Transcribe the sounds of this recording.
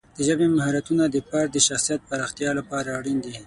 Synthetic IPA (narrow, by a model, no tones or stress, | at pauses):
d̪̥əʒəbemaɦɑɾat̪unad̪əpaɾd̪əʃaxsijat̪̚paɾɑxt̪jɑlapɑɾaːɽind̪i